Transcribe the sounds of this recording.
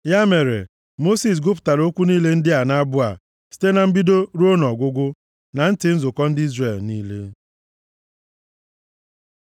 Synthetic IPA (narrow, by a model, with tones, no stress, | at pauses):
ja˦me˨ɾḛ˨ | mo˦si˨s̬ɡʊ˦p̬ʊ̥˨ta˨ɾo˦kʷu˦niː˦le˦n̩˦dɪ˦a˨na˦bʊ˦a̰˨ | si̥˨te˦na˨m̩˦bi˦do˦ɾu˦o˦nɔ˨ɡʷʊ˦ɡʷʊ˦ | na˨n̩˦tɪ˨˦n̩˦zʊ˨kɔ˦n̩˦dɪ˦i˦zre˦˨lniː˦lḛ˦